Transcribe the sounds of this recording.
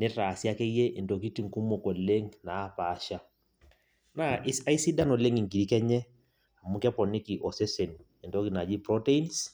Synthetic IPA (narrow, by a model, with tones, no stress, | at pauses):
nɪ˦taː˨sja˦kɛ˦je˦ʔe˨ndo˨ki˦ti˨ŋ˨ku˦mo˨ko˨le˦ŋnaː˨˦paː˨˦ʃa˦ | na˦ʔsa˦i˦si˦da˦no˨le˦ŋi˨ŋɡi˨ɾi˦kɛ˦ɲɛ˦ | a˨mu˦kɛ˦pɔ˨ni˦ki˨ʔɔ˨se˦se˨n | e˨ndo˦ki˨na˨d͡ʒi˦pɾɔ˦te˦i˦ns